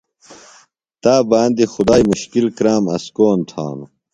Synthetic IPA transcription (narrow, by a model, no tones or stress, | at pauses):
t̪aːbaːnd̪ixʊd̪aːjmuɕkilkɾaːmɐskoːnt̪ʰa̰ːnu